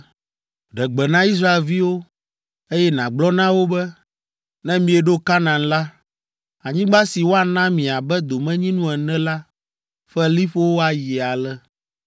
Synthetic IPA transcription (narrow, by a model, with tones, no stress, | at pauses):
ɖɛ˨ɡ͡bɛ˨nã˦i˦s̬ɾa˦e˨lvi˦wo˦ | e˦jɛ˦nã˨ɡ͡blɔ˦nã˦wo˦bɛ˦ | nɛ̃˦mĩ˨ɛ˨ɖo˦ka˦nã˨nla˦ | a˨ɲĩ˦ɡ͡ba˦si˨wo˦a˨nã˦mĩ˨a˨bɛ˦d̪o˨mɛ̃˦ɲĩ˦nũ˦ɛ˨nɛ̃˦la˦ | ɸɛ˦li˦ɸo˦wo˦a˨ji˨a˨lɛ˦